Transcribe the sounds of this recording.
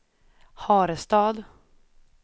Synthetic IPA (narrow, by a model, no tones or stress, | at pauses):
hɑːɾəst̪ɑːd̪